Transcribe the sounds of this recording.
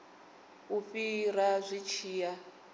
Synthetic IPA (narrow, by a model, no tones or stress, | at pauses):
uɸiɾazʷit͡ʃʰiːja